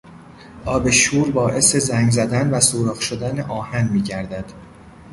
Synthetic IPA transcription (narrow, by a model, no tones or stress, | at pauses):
ʔɒːbe̞ʃuːɾbɒːʔe̞se̞zæŋɡzæd̪ænvæsuːɾɒːχʃod̪æneʔɒːhænmiːɟæɾd̪æd̪̥